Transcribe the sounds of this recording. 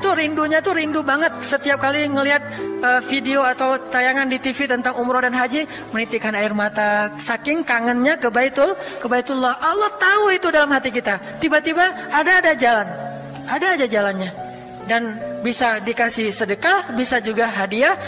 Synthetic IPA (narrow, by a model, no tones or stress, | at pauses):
t̪uɾinduɲat̪uɾindubaŋət̪̚sət̪iap̚kaliŋəliɦat̪̚əfideoat̪awt̪ajaŋandit̪ifit̪ənt̪aŋumɾodanɦad͡ʒi | mənit̪ikanaɪrmat̪asakɪŋkaŋənɲakəbait̪ʊlkəbait̪ʊlːahʔalːɔht̪auit̪udalamhat̪ikit̪at̪ibat̪ibaːdaːdad͡ʒalan | adaːdad͡ʒalanɲa | danbisadikasɪhsədəkabisad͡ʒuɡaɦadia